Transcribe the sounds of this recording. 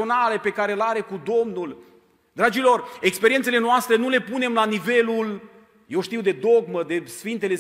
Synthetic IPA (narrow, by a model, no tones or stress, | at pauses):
o̞nale̞pe̞kaɾe̞laɾe̞kud̪o̞mnul | d̪ɾad͡ʒilo̞re̞kspe̞ɾient̪sele̞noast̪ɾe̞nule̞pune̞mlanive̞lul | jewʃt̪iwd̪e̞d̪o̞ɡməd̪e̞sfint̪e̞le̞